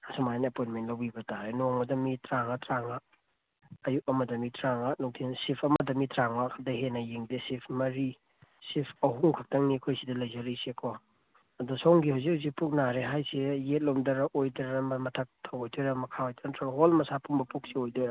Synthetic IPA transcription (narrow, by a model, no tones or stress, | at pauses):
asumajnɐpojnmentlɐwbibɐtaajnoŋɐdɐmitɾaŋɐtɾaŋaː | juk̚ɐmɐdɐmitɾaŋanuk̚tʰinsipʰɐmdɐmitɾaŋmakʰadɐɦenɐjiŋdesipʰmɐɾi | sipʰɐɦuŋkʰak̚tɐŋniɐkʰojsidɐlɐjzɐɾisekʰo | ɐdusowŋɡihawzik̚hawzik̚puk̚naɾeɦajsejet̚lomdɐɾɐʔojdɐɾɐmmɐtʰɐk̚tʰɐwojdeɾɐmɐkʰaojtʰɐɾntʰaɦolmɐsapʰuŋbɐpuk̚siojdoɾɐ